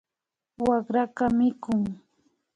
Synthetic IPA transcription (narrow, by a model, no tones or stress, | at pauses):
wakɾakamɪkʊŋ